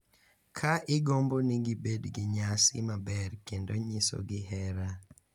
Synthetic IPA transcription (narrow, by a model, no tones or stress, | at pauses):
kʰaʔɪɡomboniɡibedɡɪɲasɪ̰mabɛrkendoɲiso̰ɡɪɦɛɾa